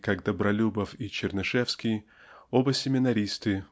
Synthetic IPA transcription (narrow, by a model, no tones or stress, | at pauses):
kaɡd̪əbɾɐlʲubəfit͡ɕɪrnɐʂɛfskʲɪj | obəsʲɪmʲɪnɐɾʲist̪ɨ